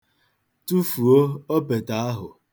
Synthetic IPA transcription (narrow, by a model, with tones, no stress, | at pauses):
tu˦fu˨o˦o˦pe˨ta˦a˦ɦʊ˨